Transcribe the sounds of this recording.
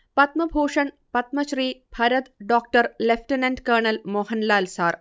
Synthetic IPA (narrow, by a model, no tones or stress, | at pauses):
pɐt̪mɐbʱoːʂɐɳ | pɐt̪̚mɐɕriːbʱɐɾɐt̪ɖoːk̚ʈɐrlefʈinɐnɖkɐːɳɐlmoːhɐnlaːlsaːr